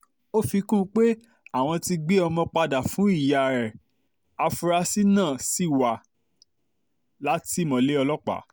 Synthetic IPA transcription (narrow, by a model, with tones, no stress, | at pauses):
o˦fi˧kũ˦k͡pe˦ | a˦˨w̃ɔ̃˧ti˧ɡ͡be˦ɔ˧mɔ̃˧k͡pa˧da˨fũ˨˦i˦˨ja˨ɾɛ˨ | a˧fu˧ɾa˧si˦nãː˦˨si˦˨wa˨ | la˨˦ti˦˨mɔ̃˨le˦ɔ˧lɔ˦k͡pa̰˨˦